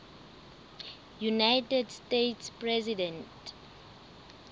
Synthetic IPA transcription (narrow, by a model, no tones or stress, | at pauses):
junajtɛdstetspɹɛzidɛ̃nt